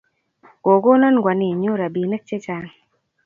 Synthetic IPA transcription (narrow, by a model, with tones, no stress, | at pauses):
ɡo˨ɡo˦nɔ˦nɡwa˨ni˨ɲo˦ɾa˨bi˨nə˦k̚t͡ʃe˦t͡ʃa˨ŋ